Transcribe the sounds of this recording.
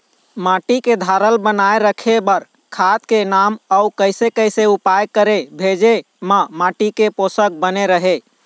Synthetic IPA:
maʈiked̪ʱaɾəlbənaeɾəkʰebəɾ | kʰat̪kenaməukəɪsekəjseupajkəɾebʱed͡ʒe | məmaʈikeposək̚bəneɾəɦe

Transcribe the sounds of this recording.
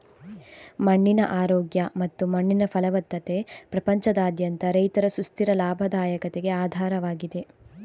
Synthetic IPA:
mɐɳːinɐʔaːɾoːɡjɐmɐt̪ːumɐɳːinɐfʰɐlɐʋɐt̪ːɐt̪e̞pɾɐpɐɲt͡ʃɐd̪aːd̪jɐnt̪ɐɾɐjt̪ɐɾɐsust̪iɾɐlaːbʱɐd̪aːjɐkɐt̪eɡe̞aːd̪ʱaːɾɐʋaːɡid̪e̞

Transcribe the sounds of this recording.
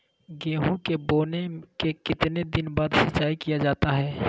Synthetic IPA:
ɡeːɦõkeboːnekekɪt̪ned̪ɪnbaːd̪ʃɐt͡ʃːaːikijad͡ʒaːt̪aɦɛː

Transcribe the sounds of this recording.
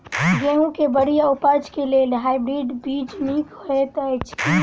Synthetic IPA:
ɡeɦũkebəɽijaʊpəɾd͡ʒkelelɦaɪbɾiːɖbiːd͡ʒmiːkɦoet̪ət͡ʃʰ

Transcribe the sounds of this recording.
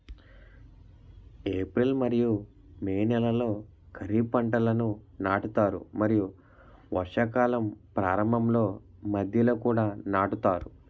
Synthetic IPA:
eːpɾilmɐɾiju | meːnɛlɐlo̞ː | kʰɐɾipɐɳʈɐlɐnunaːʈut̪aːɾṵmɐɾiju | ʋɐɾʂɐkaːlɐmpɾaːɾɐmbʱɐmlo̞ːmɐd̪ʱjɐloːkuːɽaːnaːʈut̪aːɾu

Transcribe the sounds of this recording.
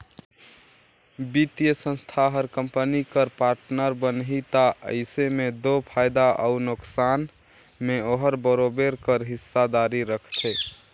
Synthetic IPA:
bit̪ijəsə̃nst̪ʰaɦəɾkəmpənikəɾpaɾʈnəɾbənɦit̪aə̰ɪsemed̪opʰaɪd̪aʔə̰unʊksan | meoɦəɾbəɾobeɾkəɾɦisːad̪aɾiɾəkʰt̪ʰe

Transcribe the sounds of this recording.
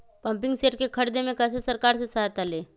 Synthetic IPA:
pɐ̃mpɪ̃ŋɡseːʈkekʰəɾd̪emẽkɛsesəɾkaːɾsesaɦət̪aleː

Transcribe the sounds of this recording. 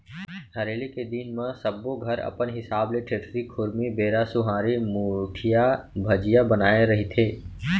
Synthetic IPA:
hɐɾeːliked̪iːnmãsəbːoɡʱɐɾɐ̰pənɦɪsaːbleʈʰɾeʈʰɾikʰʊɾmibeːɾasʊɦaːɾimuʈʰijabʱɐd͡ʒɪjabənaːeɾɐɦit̪ʰeː

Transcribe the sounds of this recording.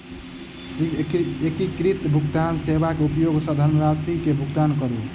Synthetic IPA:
siekikɾit̪bʱukt̪ansebakeupjoɡsəd̪ʱəɾməɾasikebʱuɡt̪ankəɾu

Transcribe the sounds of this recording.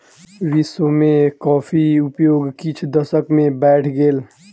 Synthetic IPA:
ʋisomẽkɔːpʰiʊpjoːɡkit͡ʃʰd̪əsəkmẽbɛːʈʰɡeːl

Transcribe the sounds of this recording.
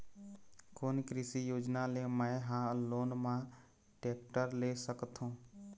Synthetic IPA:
koːnkɾɪsijoːd͡ʒnaleməɦãloːnmã | ʈeːkʈəɾlesəkt̪ɦũː

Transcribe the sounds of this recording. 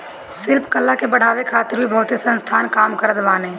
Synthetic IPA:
sɪlpkəlːakebəɽ̤aːʋekʰaːt̪ɪɾbʱibʱɐɦʊt̪esə̃nst̪ʰaːnkaːmkəɾəd̪ʋaːnẽː

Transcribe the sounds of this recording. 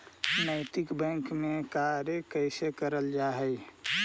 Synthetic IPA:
nəɪt̪ɪkbɛ̃ŋkmẽkaɾjəkəɪsekəɾəld͡ʒaɦɛɪ

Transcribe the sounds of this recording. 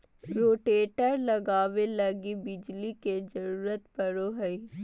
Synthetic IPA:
ɾoːʈeːʈəɾlɐɡaːʋelɐɡibɪd͡ʒliked͡ʒəɾuːɾət̪pəɾoɦəi

